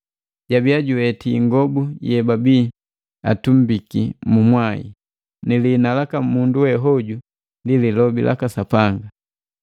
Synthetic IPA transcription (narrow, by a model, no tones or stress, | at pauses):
ɟabiaɟuwɛtiːŋɡɔbujɛbabi | a̰tum̩bikimumwaḭ | nilinalakamːunduwɛɦɔɟu | ndililɔbilʔa̰kasapaŋɡa